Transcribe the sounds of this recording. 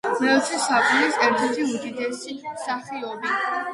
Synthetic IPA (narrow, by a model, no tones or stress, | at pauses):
mɛlt̪ʰisapʼilisɛɾt̪ʰɛɾt̪ʰiud̪id̪ɛsisaχiɔbi